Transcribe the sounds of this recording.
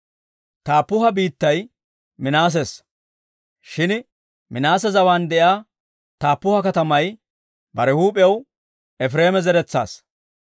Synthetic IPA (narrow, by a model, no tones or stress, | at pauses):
t̪aːpːʊɦɐbiːt̪ːɐj | mɪnaːs̬ɛs | ʃɪn | mɪnaːsɛzɐwaːnd̪ɛjaː | t̪aːpːʊhɐkɐt̪ɐmɐj | bɐɾɛhuːpʼɛw | ɛfɾeːmɛzɛɾɛt͡sːa̰ːs